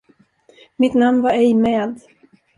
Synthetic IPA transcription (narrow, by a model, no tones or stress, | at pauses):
mɪt̪namnvaɾɛjmɛːd̪